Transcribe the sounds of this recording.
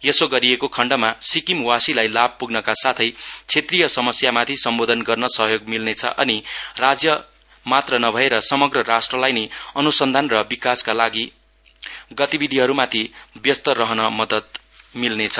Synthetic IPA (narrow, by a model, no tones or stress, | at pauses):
jesoɡʌɾiekokʰʌɳɖʌmasikimwasilajlab̚puɡnʌkasat̪ʰʌjt͡sʰet̪rijʌsʌmʌsjamat̪ʰisʌmbod̪ʱʌnɡʌrnʌsʌɦjoɡmilnet͡sʰʌ̰ʔʌnirad͡zjʌ | mat̪rʌnʌbʱʌeɾʌsʌmʌɡrʌrasʈrʌlajneʌnusʌnd̪ʱanrʌbikaskalaɡi | ɡʌt̪ibid̪ʱiɦʌɾumat̪ʰibjʌst̪ʌɾʌɦʌnʌmʌd̪ʌt̪milnet͡sʰʌ̥